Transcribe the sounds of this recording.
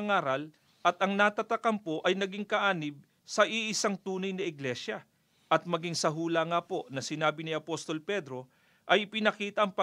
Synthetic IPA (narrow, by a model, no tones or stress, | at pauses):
ŋaːɾɐl | ʔɐt̪ɐŋnat̪ɐt̪ɐkɐmpo̞ʔɐjnɐɡiŋkɐʔaːnɪb̚ | sɐʔiʔɪsaŋt̪uːnɐjnɐɪɡlɛʃɐ | ʔɐt̪̚mɐɡiŋsɐɦuːlɐŋapo̞ʔnɐsɪnaːbɪnɪʔɐpo̞st̪o̞lpɛd̪ɾo̞ | ʔɐjɪpɪnɐkiːt̪ɐʔɐŋpɐ